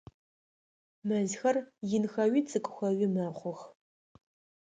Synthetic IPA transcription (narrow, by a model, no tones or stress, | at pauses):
mɐzxɐrjɪnxɐwɥiːt͡sʰʼɨkʷʼʊxʷɐɥɪmɐχʷʊx